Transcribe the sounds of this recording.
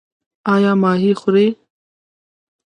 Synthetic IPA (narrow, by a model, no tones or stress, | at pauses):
aːjaːmaːɦiːxʊɾeː